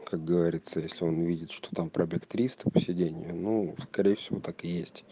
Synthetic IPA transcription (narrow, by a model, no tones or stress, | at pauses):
kak̚ɡəvɐɾʲit̪səjesʲlʲɪo̞nvʲidʲɪt̪ʂt̪o̞̥t̪ampɾəbʲekt̪ɾʲist̪ɨ̥pə̥sʲɪdʲenʲɪ̰jʊnuskɐɾʲejɪfsʲɪvo̞t̪akɨjesʲtʲ